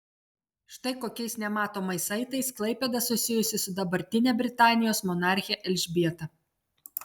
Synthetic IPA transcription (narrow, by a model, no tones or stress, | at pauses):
ʃt̪ɐɪkoːkʲɛɪsnʲɛmɑːt̪oːmɐɪsɐɪt̪ɐɪsklˠɐɪpʲɛd̪ɐsʊsʲɪjʊsʲɪsʊd̪ɐbɐɾʲt̪ʲɪnʲɛbʲɾʲɪt̪ɑːnʲɪjoːsmɔnɑˑɾʲxʲɪjɛʔɛlʲʒʲbʲiɛt̪ɐ